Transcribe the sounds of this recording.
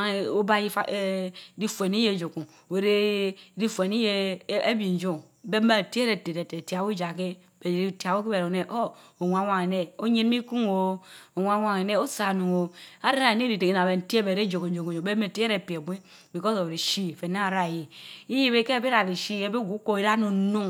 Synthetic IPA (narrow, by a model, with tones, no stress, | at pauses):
o˦ba˦ji˦a˦˨˦ɾi˦fu˨e˨ni˦je˦˨d͡ʒo˨ku˨e˨ɾe˦ɾi˦fe˨ni˦je˦e˦bi˨n˨˦d͡ʒo˦ŋ | be˦me˦˨te˦ɾe˨te˨te˨te˨ti˨a˨wu˦d͡ʒa˨k̬e˦ | be˨ɾi˦ta˨wo˦ki˦be˨ɾo˨ne˦ʔo˦o˨wʷa˨˦wʷa˦˨ŋe˨ne˦o˦ɲe˦nmi˦ku˦ŋo˨o˨wʷa˨˦wa˨ŋe˨ne˦o˦sa˨nu˨ŋo˨a˦ɾe˦ɾa˨ne˦ɾi˨te˨ki˨n˨a˨be˨n̩˨ti˦e˦be˨ɾe˦d͡ʒo˨ko˨n˦d͡ʒo˨ku˨o˨be˦me˦˨ti˦e˦ɾe˨pi˨e˨bʷi˦ | bi˨ko˦so˨we˨e˨ʃi˦˨fe˨na˦a˨ɾa˦˨ji˨i˦je˦be˦ke˦˨be˦ɾa˨ɾi˨ʃi˦e˦be˦ɡu˦ko˦i˦ɾa˦nu˨˦nu˦ŋ